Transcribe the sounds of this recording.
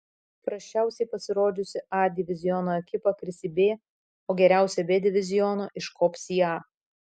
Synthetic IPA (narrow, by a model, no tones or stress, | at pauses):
pɾɐsʲt͡ʃʲæˑʊsʲɛɪpɐsʲɪɾoːd̪ʲʊsʲɪɑd̪ʲɪʋʲɪzʲɪjɔnoːɛkʲɪpɐkɾʲɪsʲɪbʲeː | oːɡʲɛɾʲæˑʊsʲɛbʲeːd̪ʲɪʋʲɪzʲɪjɔnoːʔɪʃkʰɔːpʲsʲiːɑː